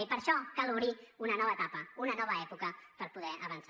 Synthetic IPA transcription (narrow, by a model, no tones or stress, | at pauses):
ipəɾʃɔkaluwɾiunənɔβəːt̪apəunənɔβəɛpukəpəɾpuðɛʔəβəns